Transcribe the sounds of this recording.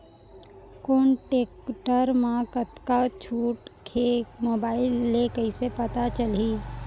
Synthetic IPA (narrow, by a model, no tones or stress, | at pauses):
koːɳʈeːkʈəɾmãkət̪kat͡ʃʰuːʈkʰeːkmoːbaːɪlːekəɪsepət̪at͡ʃəliː